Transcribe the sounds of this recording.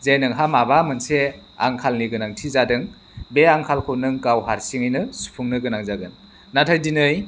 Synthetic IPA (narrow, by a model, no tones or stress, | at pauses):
zenɯŋɦamabamɯnsea̰ŋkʰalniɡɯnaŋtʰizadɯŋ | beaŋkʰalkʰɯnɯŋkawɦaɾsiŋɯjnɯsu̥pʰuŋnɯɡɯnaŋzaɡɯnː | atʰajdinɯj